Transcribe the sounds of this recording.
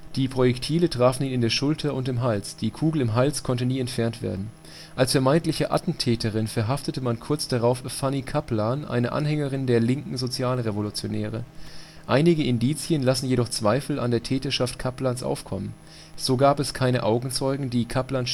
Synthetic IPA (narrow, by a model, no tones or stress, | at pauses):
d̥iːpʁ̥ojɛktʰiːlətʁ̥aːfn̩iːnɪndeːɐʃʊltʰɐʊntɪmɦalsd̥iːkʰuːɡl̩ɪmɦalskʰɔntəniːɛntfɛɐntv̥ḛːɐdn̩ | ʔalsfɛɐmaɪntlɪçəʔa̰tn̩tʰɛːtəʁ̞ɪnfɛɐɦaftətəmankʰʊɐt͡sd̥aʁaʊffanikʰaplaːnʔa̰ɪnəʔa̰nɦɛŋəʁ̞ɪndeːɐlɪŋkŋ̩zot͡sjaːlʁevolut͡sjonɛːʁ̞ə̰ | ʔaɪnɪɡəɪndiːt͡sjənlasn̩jeɾɔχt͡sv̥aɪfl̩a̰ndeːɐtʰɛːtɐʃaftkʰaplaːnsʔa̰ʊfkʰɔ̰mən | z̥oːɡaːpɛskʰaɪnəʔaʊɡŋ̩t͡sɔʏɡŋ̩diːkʰaplaːn